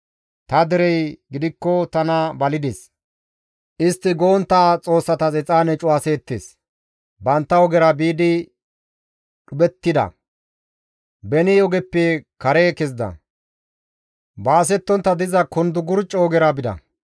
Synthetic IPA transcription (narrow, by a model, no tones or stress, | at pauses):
t̪ɐd̪ɪɾɛjɡɪd̪ɪkːɔt̪ɐnɐbɐlɪd̪ɛs | ʔɪst̪ːɪɡoːnt̪ːaːt͡sʼo̞ːsːɐt̪ɐt͡sɛt͡sʼaːnɛt͡ʃʼʊwaseːt̪ːḛːs | bɐnt̪ːɐɔɡɛɾɐbiːd̪ɪ | ɗʊbɛt̪ːɪd̪ɐ̰ | bɛnɪjɔɡɛpːekɐɾekɛzd̪ɐ̰ | baːsɛt̪ːɔnt̪ːɐd̪ɪzɐkʊnd̪ʊɡʊɾt͡ʃʼːɔːɡɛɾɐbɪd̪ɐ̰